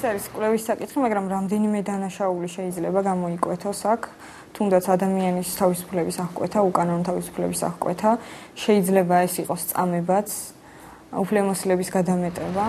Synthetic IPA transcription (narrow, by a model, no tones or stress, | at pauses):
ɛsaɾiskʼwlɛvisːakʼit̪χimaɡɾamɾamd̪ɛnimɛd̪anaʃauliʃɛid̪zlɛbaɡamɔikʼwɛt̪ʰɔsakʰ | t̪ʰumd̪at̪sʰad̪amianist̪ʰavisu̥pʰlɛbisaχkʼwɛ̰t̪ʰaukʼanɔnɔt̪ʰavisu̥pʰlɛ̰bisa̰χkʼwɛ̰t̪ʰaʃɛid̪zlɛbaɛsiqʼɔst̪sʼa̰mɛbat̪sʰ | upʰlɛmɔsilɛbisɡad̪amɛt̪ʼɛba